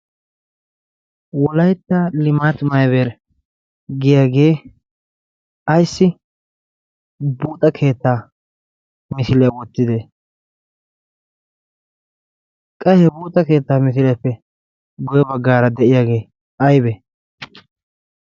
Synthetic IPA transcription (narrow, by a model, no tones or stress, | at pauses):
wɔlɐjt̪ːaːlɪmaːt̪mɐjbeːɾ | ɡɪjaːɡe̞ː | ɐjsːɪ | buːt̪ʼɐkʰe̞ːt̪ːaː | mɪsɪlɪjawɔt̪ːɪd̪e | kʼɐhɛbuːt̪ʼɐke̞ːt̪ːaːmɪs̬ɪlɐpːɛ | ɡʊjɛbɐɡːaːɾɐd̪ɛʔɪjaːɡe̞ː | ɐjbɛ